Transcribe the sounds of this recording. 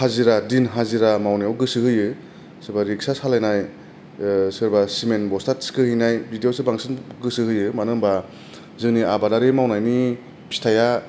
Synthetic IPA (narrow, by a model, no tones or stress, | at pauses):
haziɾadinɦaziɾamawnijawɡɯsɯhɯjɯ | sɯɾbaɾik̚sasalajnaj | sɯɾbasimenbɔstatskɯhɯjnajbʱidiosɯbaŋsɯnɡɯsɯɦɯjɯmanɯmba | zɯŋniabadaɾemawnajni | pʰi̥stʰaja